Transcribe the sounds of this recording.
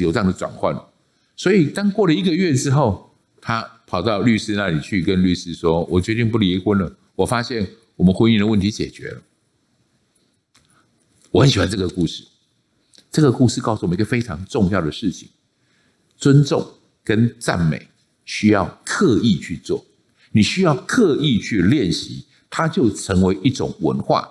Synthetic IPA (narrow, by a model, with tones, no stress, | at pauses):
jo˨˩ʈ͡ʂə˥jŋd̪ə˨t͡swa̰˨˩nxwa̰˥˩nə˩ | swɔ˧˥i˨˩t̪ɑ˥ŋkwɔ˥˩lə˨i˧˥ɡə˨ɥɛ˥˩ʈ͡ʂɻ̩˥xo˥˩ʊ | t̪ʰa˦pʰɑ˨˩ʊt̪ɑ˥˧ʊly˥˧ʂ̩˥na˥˩li˨˩t͡ɕʰy˥˩kə˦nly˥˩ʂɻ̩˥ʂwɔ˥wɔ˨˩t͡ɕɥɛ˧˥t̪i˥˧ŋpu˥˩li˧˥xwə˥nlə˨ | wɔ˨˩fa˦˥ɕjɛ˥˩n | wɔ˨˩mə˦nxwə˦˥ni˥˩ŋd̪ə˨wə˥˩nt̪ʰi˧˥t͡ɕjɛ̰˨˩t͡ɕɥɛ̰˧˥lə˨ | wɔ˨˩xə˧˦nɕi˨˩wa˧˥nʈ͡ʂɤ˥˩ɡə˩ku˥˧ʂɻ̩˥˩ | ʈ͡ʂɤ˥˩ɡə˨˩ku˥˧ʂɻ̩˥˧kɑ˥˩ʊsu˥˨m˦˧i˥ɡə˨˧fe˥ɪʈ͡ʂʰɑ˧˥ŋʈ͡ʂʊ˥˧ŋjɑ˥˩ʊd̪ə˩ʂɻ̩˥˩t͡ɕʰi˨˩ŋ | t͡swə˦˥nt͡sʊ˥˨˩ŋ | kə˦nt͡sa̰˥˨˩nmḛ˨˩˦ɪ | ɕy˥jɑ˥˨ʊkʰɤ˥˧i˥˧t͡ɕʰy˥˧t͡swɔ̰˥˩ | ni˨˩ɕy˥jɑ˥˧ʊkʰɤ˥˧i˥˧t͡ɕʰy˥˧ljɛ˥˨nɕḭ˧˥˦ | t̪ʰa˦t͡ɕjo˥˩ʊʈ͡ʂʰə˧˥ŋwe˧˥ɪʔi˥˩ʈ͡ʂʊ̰˨˩ŋwə̰˧˦nxwa̰˥˩